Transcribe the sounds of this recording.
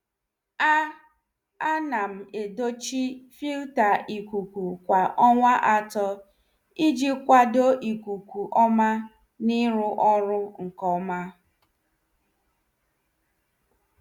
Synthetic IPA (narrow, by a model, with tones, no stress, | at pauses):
a˦ | a˦na˨m̩˨e˨do˦t͡ʃi˦fi˦lta˨i˨kʷu˨kʷu˨kʷa˨ʔɔ˦ŋʷa˦ʔa˦tɔ˦ | i˦d͡ʒi˦kʷa˦do˦ʔi˨kʷu˨kʷu˨ʔɔ˦ma˦ | ni˦ɾʊ˦ʔɔ˦ɾʊ˦ŋ̩˨kɔ˦ma˦